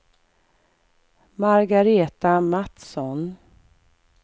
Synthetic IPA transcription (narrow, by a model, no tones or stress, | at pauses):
maɾɡaɾeːt̪amat̪sɔn